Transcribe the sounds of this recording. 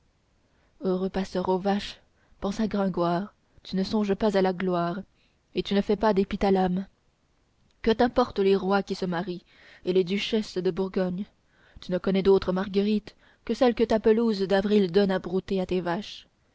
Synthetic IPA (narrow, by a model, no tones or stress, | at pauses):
øʁøpasœʁovaʃ | pɑ̃saɡʁɛ̃ɡwaːʁ | t̪ynəsɔ̃ʒpazalaɡlwaːʁ | et̪ynəfɛpad̪epit̪alam | kət̪ɛ̃pɔʁt̪leʁwakʲisəmaʁi | eled̪yʃɛsd̪əbuʁɡɔɲ | t̪ynəkɔnɛd̪ot̪χəmaʁɡəʁit̪ | kəsɛlkət̪apəluzd̪avʁild̪ɔnabʁut̪eat̪evaʃ